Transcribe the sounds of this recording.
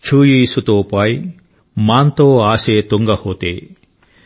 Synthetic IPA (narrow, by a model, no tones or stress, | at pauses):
t͡ʃʰuːjiːsut̪opaj | maːnt̪oːaːset̪uŋɡahoːt̪eː